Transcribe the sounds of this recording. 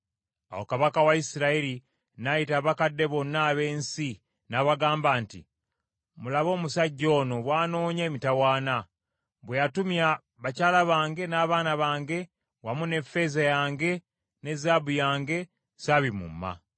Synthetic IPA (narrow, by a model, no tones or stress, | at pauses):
a̰wokaβakawaisiɾaiɾi | najitaːβakadːe̞βo̞nːaːβe̞ːnsi | naβaɡaːmbaːntḭ | mulaβo̞ːmusaɟːo̞ːno̞βwaːno̞ːɲeːmitawaːna | βwejatumja | βacaːlaβaːŋɡe̞naːβaːnaβaːŋɡe̞ | wamune̞fe̞zajaːŋɡe̞ | ne̞zabujaːŋɡe̞ | saβimṵmːa̰